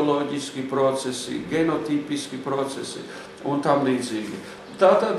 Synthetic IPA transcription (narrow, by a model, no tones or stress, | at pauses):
loɡiskipɾot̪sesḭɡenot̪ipiskipɾot̪sesḭ | ont̪amliziɡḭ | t̪at̪ad̪